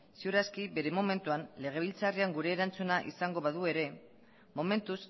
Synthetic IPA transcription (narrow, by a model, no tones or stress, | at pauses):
siuɾaskibe̞ɾe̞mome̞nt̪uanle̞ɣ̞e̞βilt͡sariaŋɡuɾe̞ːɾant͡sunaʔḭsaŋɡo̞βaðue̞ɾe̞ | mo̞me̞nt̪us